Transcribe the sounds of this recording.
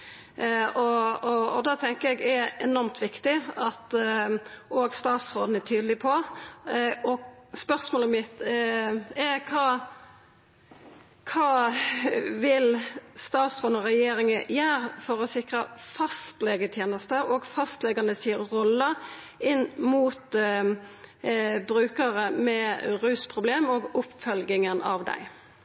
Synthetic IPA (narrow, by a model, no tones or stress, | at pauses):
ɔɔɔd̪ɑːt̪ʰɛŋkəɾɛɡɛɛnɔɾmt̪ʰʋɪkt̪ɪɑt̪ | oːɡst̪ɑːt̪sɾoːd̪n̩ɛæt̪ʰyːd̪lɪpʰɔ | ɔspœʁsmoːləmɪt̪ | ɛkʰɑː | kʰɑː | ʋɪlst̪ɑːt̪sɔnɔɾɛjeːɾɪŋəjæːɾfɔʁɔsɪkɾəfɑst̪lɛɡət̪ʰjeːnəst̪əɔɡfɑst̪lɛɡɑnəsiːʁɔlːə | ɪnːmuːt̪ | bɾʉːkəʁəmɛɾʉːspʰʁʊbleːmɔɡʊpːfœlɡɪŋənɑ̰ʋd̪æ̰ɪ